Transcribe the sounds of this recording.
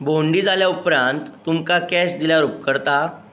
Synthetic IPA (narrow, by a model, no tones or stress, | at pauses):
boɳɖid͡zaljaupɾãnt̪ːumkakɛsd̪iljaɾup̚kəɾt̪a